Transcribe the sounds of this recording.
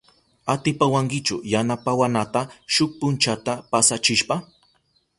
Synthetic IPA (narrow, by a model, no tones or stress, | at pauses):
at̪ɪpawaŋkɪt͡ʃʊjanapawanat̪aʃʊk̚pʊnt͡ʃat̪apasat͡ʃɪʃpa